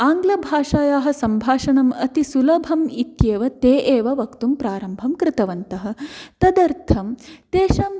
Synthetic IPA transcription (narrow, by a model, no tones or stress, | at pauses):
aːŋɡlɐbʱaːʂaːjaːɦɐ̆sɐmbʱaːʂɐnɐmɐt̪isulɐbʱɐmit̪jeːʋɐt̪eːʔeːʋɐʋɐkt̪umpɾaːɾɐmbʱɐmkɾɪt̪ɐʋɐnt̪ɐɦɐ̆t̪ɐd̪ɐɾt̪ʰɐmt̪eːʃɐm